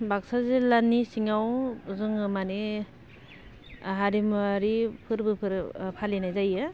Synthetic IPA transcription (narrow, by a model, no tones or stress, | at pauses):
bak̚sazelanːisiŋawzɯŋɯmane | ɦaɾimaɾipʰɯɾbɯpʰɯɾpʰalinajzajɯ